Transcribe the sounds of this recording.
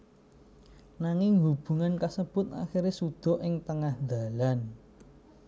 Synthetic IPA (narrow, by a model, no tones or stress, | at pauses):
naŋɪŋɦub̥ṳŋankasəb̥ʊ̤t̪a̰xiɾesud̪̥ɔ̤ʔɪŋt̪əŋahd̪a̤lan